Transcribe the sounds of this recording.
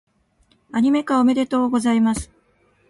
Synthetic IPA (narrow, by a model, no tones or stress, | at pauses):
aɲ̟ime̞kaome̞d̪e̞t̪oːɡo̞zaimasɨ̥